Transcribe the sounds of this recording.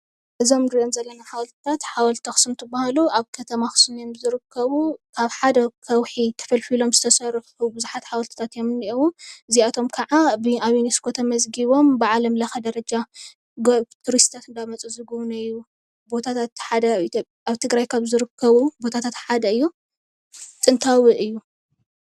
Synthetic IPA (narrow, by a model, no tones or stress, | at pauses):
ʔɨzo̞mɡ̪ɾionzɐlːɐnaħawɐlt̪i̥t̪ʰat̪ħawɐlt̪t̪ʰɐxɨ̥sɨmt̪ʰɨbːahaluʔaβkʰɐt̪ʰɐmaxɨ̥sumjomzɨɾɨkʰːɐβukʰaβħad̪ɐkʰɐwħit̪ʰɐ̥fɐlfilo̞mzɨt̪ʰɐsɐɾuħubɨzuħat̪ħawɐlt̪i̥t̪ʰat̪jomɨnːiʔowuʔɨziat̪ʰo̞mkʰɐʕabɨaβiniskʰo̞t̪ʰɐmɐzɡiβo̞mbɨʕalɐmlɐxɐd̪ɐɾɐd͡ʒa | ɡt̪ʰuɾist̪t̪ʰat̪ɨnd̪amɐt͡sʼuzɨɡwnɐjːu | bo̞t̪ʰat̪ʰat̪ħad̪ɐi | aβt̪ʰɨɡɾajkʰaβzɨɾɨkʰːɐβubo̞t̪ʰat̪ʰat̪ħad̪ɐɨjːu | t̪ʼɨnt̪ʰawiʔɨjːu